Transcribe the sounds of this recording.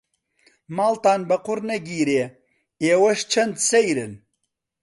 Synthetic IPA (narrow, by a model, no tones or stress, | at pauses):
maːlt̪aːnbɐqʊɾnɐɡiːɾeː | eːwɐʃt͡ʃʰɐnd̪sɐjɾɨn